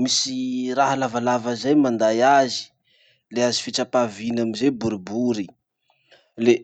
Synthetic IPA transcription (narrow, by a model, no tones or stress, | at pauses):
misiraɦalavalavazajmand̪ajazi̥ | leazifiʈ͡ʂapavinamizebuɾibuɾi | le